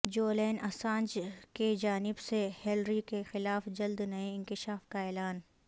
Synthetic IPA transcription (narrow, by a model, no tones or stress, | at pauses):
d͡ʒoːleːnɐsãːnd͡ʒked͡ʒaːnɪbsehelɾikexɪlaːfd͡ʒɐld̪nɐeɪ̃ŋkɪʃaːfkaɛːlaːn